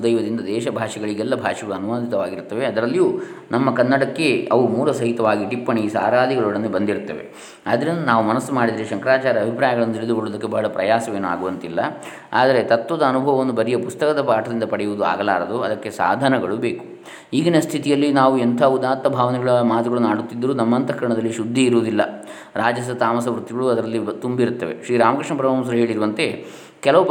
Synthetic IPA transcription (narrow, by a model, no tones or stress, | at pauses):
d̪ɐjʋɐd̪ind̪ɐd̪ɛːʃɐbʱaːʂɐɡɐɭiɡɛlːɐbʱaːʂɐɡɐɭuɐnuʋaːd̪ʱit̪ɐʋaːɡiɾt̪ːɐʋeɐd̪ɐɾɐlːijuːnɐmːɐkɐnːɐɽɐkːe̞ɐʋumuːɾɐsɐɦit̪ɐʋaːɡiʈipːɐɳisa̰ːɾaːd̪iɡɐɭuɽɐnːebɐnd̪iɾt̪ːɐʋe̞̰ | aːd̪ɐɾind̪ɐnaːʋumɐnɐsːumaːɽid̪iɾiʃɐŋkɐɾaːt͡ʃaːɾɐːbʱipɾaːjɐɡɐɭɐnːut̪iɭed̪ukoɭːoːd̪ɐkːebɐɦɐɭɐpɾɐjaːsɐʋe̞ːnua̰ːɡuʋɐnt̪ilːɐ | a̰ːd̪ɐɾe̞t̪ɐt̪ʋɐd̪ɐːnubʱɐʋɐʋɐnːubɐɾijɐpust̪ɐkɐd̪ɐpaːʈʰɐd̪ind̪ɐpɐɽɛjuʋud̪ua̰ːɡɐlaːɾɐd̪uɐd̪ɐkːe̞sa̰ːd̪ʱɐnɐɡɐɭubeːku̥ | iːɡinɐst̪ʰit̪ijɐlːinaːʋuɛnt̪ʰaːud̪aːt̪mɐbʱaːʋɐnɛɡɐɭɐmaːt̪uɡɐɭunaːɽut̪ːid̪ːɐɾunɐmːɐnt̪ɐkɾɐɳɐd̪ɐlːiʃud̪ʱːiiɾuʋːd̪ilːɐ̰ | ɾaːd͡ʒɐs̬ɐt̪aːmɐsɐʋɾut̪ːiɡɐɭuɐd̪ɐɾɐlːit̪umbiɾut̪ːɐʋe̞̰ʃɾiːɾaːmɐkɾiʂɳɐpɾɐʋams̬ɐɾɐɦe̞ːɭiɾuʋɐnt̪e̞ | kɛlɐʋu